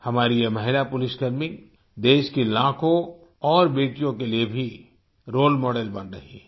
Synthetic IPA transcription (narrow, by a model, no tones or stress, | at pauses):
hɐmaːɾijemɐɦɪlapʊlɪsɡɐɾmɪk | d̪eːʃkilãːkõ | ɔːɾbeːʈijõkeliebʱi | ɾoːlmɔːɖelbɐnɾɐɦḭː